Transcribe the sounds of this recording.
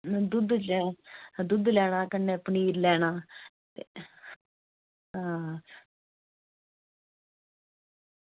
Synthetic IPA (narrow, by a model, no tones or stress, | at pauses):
d̪ʊd̪d͡ʒɛd̪ʊd̪lɛːɽ̃aːkənːeːpɳiːɾlɛːɽ̃aː | t̪e | ɦãː